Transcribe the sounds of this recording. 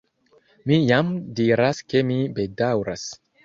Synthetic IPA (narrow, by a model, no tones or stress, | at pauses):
mijamdiɾaskemibedawɾa̰s